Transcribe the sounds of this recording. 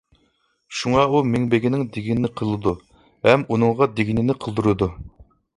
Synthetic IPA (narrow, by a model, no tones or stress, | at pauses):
ʃuŋɑumɪŋbeɡʲinɪŋd̪eɡʲinɪnɪqʰəlˠɨd̪u | hɛmunɨŋʁɑd̪eɡʲinɪnɪqʰəlˠd̪uɾɨd̪u